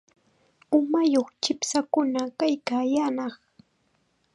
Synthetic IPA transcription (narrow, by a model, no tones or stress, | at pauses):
ʊmajoχt͡ʃɪpsakʊnakajkaːjanɑχ